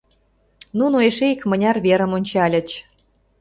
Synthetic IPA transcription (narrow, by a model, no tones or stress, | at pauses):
nunoeʃeikmə̆nʲɑrβeɾə̆monʲt͡ɕɑlʲə̆t͡ɕ